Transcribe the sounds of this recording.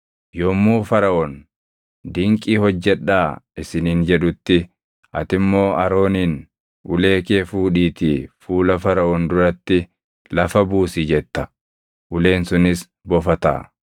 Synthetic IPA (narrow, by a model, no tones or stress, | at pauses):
jomːuːfɐɾɐʔɔn | d̪ɪŋkʼiːhɔd͡ʒːɛᶑːaːɪsɪniːnd͡ʒɛᶑʊt̪ːɪ | ɐt̪ɪmːo̞ːɐɾo̞ːniːn | ʔʊ̰le̞ːkeːfuːᶑiːt̪iːfuːlɐfɐɾɐʔɔnd̪ʊɾɐt̪ːɪ | lɐfɐbuːsid͡ʒɛt̪ːɐ̥ | ʔʊle̞ːnsʊnɪs | bɔfɐt̪a̰ː